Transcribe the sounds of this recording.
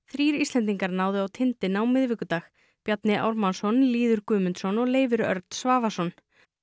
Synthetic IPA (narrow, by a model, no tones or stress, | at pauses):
θɾiːɾist̪lɛnt̪̬iŋkaɾnaːwðɪawt̪ʰɪnt̪ɪnawmɪðvɪːkʏt̪aːx | pjat̪nɪʔa̰wɾmansɔnliːðʏɾkʏːmʏnt̪sɔnɔɣleːjvʏɾœ̰ɾt̪n̥svaːvasɔn